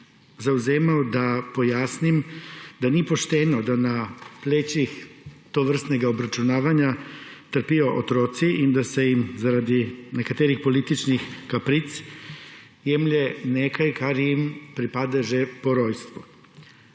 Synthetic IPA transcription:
zauzeːmaod̪apo̞jasnimd̪aniepo̞ʃt̪eːnod̪anapleːt͡ɕixt̪oʋr̩st̪neɡaobɾat͡ʃunaːʋaɲat̪r̩pioʔot̪ɾoːt̪siʔid̪asejimzaɾad̪inekat̪eɾixpo̞lit̪it͡ʃnixkapɾit̪s | jemʎenekajkaɾjimpɾipad̪aʒepoɾoːjst̪ʋu

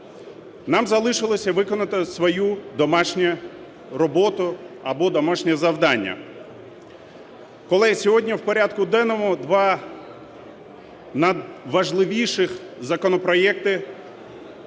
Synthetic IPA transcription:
nɑmzɐlˠɪʃɪlˠɔsʲɐʋɪkɔnɐt̪ɪsʋɔjud̪ɔmɑʃnʲɛ | rɔbɔt̪ʊɐbɔd̪ɔmaʃnʲɛzɐwd̪ɑnʲːɐ̰ | kɔlˠɛsʲɔɦɔdʲnʲiwpɔɾʲad̪kʊd̪ɛnɔmʊd̪ʋɑ | nɐd̪ʋɐʒlˠɪʋʲijʃɪx | zɐkɔnɔpɾɔjɛkt̪ɪ

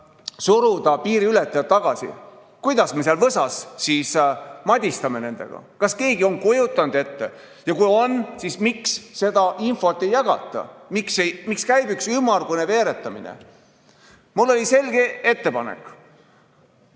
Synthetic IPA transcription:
suɾud̪̥ɑpiːɾiylet̪ːˑɑjɑt̪t̪ɑɡ̥ɑsḭ | kujd̪̥ɑsme̞seɑlvɤsɑsːiːsmɑd̪ʲist̪ɑme̞ne̞nd̪̥e̞̰ɡ̥ɑ̰kɑske̞ːɡio̞ŋkujut̪ːˑɑnud̪e̞t̪ːe̞̰ | jɑkujo̞nsismiksse̞d̪̥ɑʔinfo̞t̪ˑːe̞jːɑɡ̥ɑ̰t̪ːˑɑ̰miksejmikskæjbyksymːɑrɡuneve̞ːɾe̞t̪ˑːɑmḭnḛ | mulːo̞lʲise̞lɡe̞e̞t̪ːe̞pɑnḛkˑ

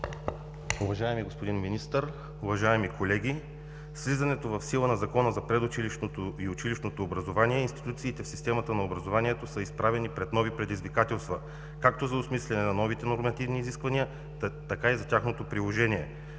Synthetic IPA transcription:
uvɐʒaɛmiɡospod̪inminist̪əɾ | ʊvɐʒaɛmikʰolɛɡʲi | slizɐnɛt̪ovɐfsilˠənɐzɐkɔnəzɐpɾɛd̪ʊt͡ʃiliʃnot̪oiʊt͡ʃiliʃnot̪oːbɾɐzovaniɛinst̪i̥t̪ut̪siːt̪ɛfsist̪ɛmɐt̪ənɐobɾɐzovaniɛt̪osəispɾavɛnipɾɛt̪nɔvipɾɛd̪izvikat̪ɛlˠst̪vɐ | kak̚t̪ozɐʊsmislʲɛnɛnɐnɔvit̪ɛnoɾmɐt̪ivniːziskvɐniə | t̪ɐkaizɐt̪ʲaxnot̪opɾilˠoʒɛniɛ

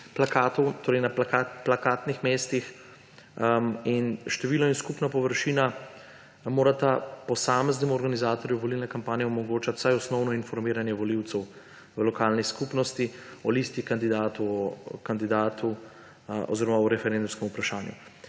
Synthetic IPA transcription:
plakaːt̪ɔwt̪oːɾɛjnapakaplakaːt̪nixmeːst̪ix | inʃt̪ɛʋiːlnɔinskupnapɔʋəɾʃiːna | moːɾat̪apɔsaːmɛznɛmuɔɾɡanizaːt̪ɔɾjuʋɔlilnɛkampaːnjɛɔmɔɡoːt͡ʃat̪sajɔsnɔwnɔinfɔɾmiːɾanjɛʋɔliwt̪sɛw | ʋəlɔkaːlniskupnɔst̪iɔlist̪ikand̪id̪aːt̪uɔkand̪id̪aːt̪u | ʔɔ̰ziɾɔmaɔɾɛfɛɾend̪umskɛmupɾaʃaːnjṵ

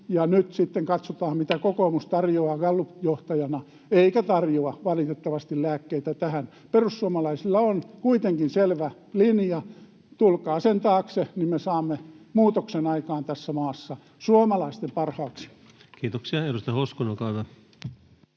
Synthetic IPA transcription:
jɑnyt̪sit̪ːeŋkɑt̪sot̪ɑːmmit̪ækokoːˑmust̪ɑrjoɑːɡ̥ɑlːujoht̪ɑjɑnɑ | eikæt̪ɑrjoɑʋɑlit̪et̪ːɑʋɑst̪illæːkːeit̪æt̪æhæn | perussuomɑlɑisilːɑonkuit̪eŋkinselʋæ | linjɑ | t̪ulkɑːsent̪ɑːksenimmesɑːmːemuːt̪oksenɑikɑːnt̪æsːæmɑːsːɑ | suomɑlɑist̪empɑrhɑːksi̥ | kiːt̪oksiɑedust̪ɑhoskonokɑːt̪ɑ

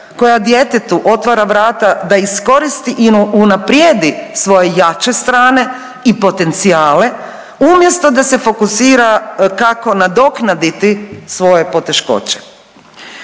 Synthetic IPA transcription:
ko̞jad̪je̞t̪et̪uʔo̞t̪ʋaɾaʋɾaːt̪ad̪aisko̞ɾist̪iʔiunapɾjed̪isʋo̞je̞jat͡ɕe̞st̪ɾaːne̞ | ipo̞t̪e̞nt̪siaːle̞ | umje̞st̪o̞d̪ase̞fo̞kusiːɾakako̞nad̪o̞knad̪it̪isʋo̞je̞po̞t̪e̞ʃko̞̰t͡ɕe̥

